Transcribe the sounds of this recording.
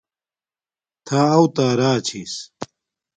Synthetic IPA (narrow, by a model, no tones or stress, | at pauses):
t̪ʰaːɐwt̪aːɾaːt͡ɕʰis